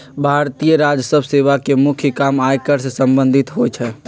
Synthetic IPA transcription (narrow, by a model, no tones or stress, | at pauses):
bʱaɾt̪ijəɾad͡ʒəsəbʱseʋakemukʰjəkamajkəɾsesəmbənd̪ʱit̪ɦojt͡ʃʰɛ